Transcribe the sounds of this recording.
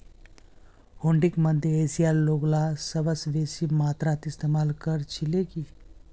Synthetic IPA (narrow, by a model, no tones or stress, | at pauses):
hoɳɖikməd̪ʱjəesijalːoɡlasəbəsʋesimat̪ɾat̪ist̪emalkəɾt͡ʃʰileki